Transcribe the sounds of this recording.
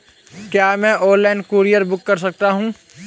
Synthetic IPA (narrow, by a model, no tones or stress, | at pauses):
kjaːmɛ̃ːʔoːɾlɛːnkuːɾijəɾbʊkːɐɾsɐk̚t̪aɦũː